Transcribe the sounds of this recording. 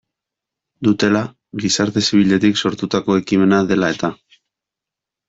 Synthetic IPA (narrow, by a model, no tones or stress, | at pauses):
d̪ut̪e̞la | ɣisaɾt̪e̞siβiʎe̞t̪ikso̞ɾt̪ut̪ako̞e̞kime̞naðe̞lae̞t̪a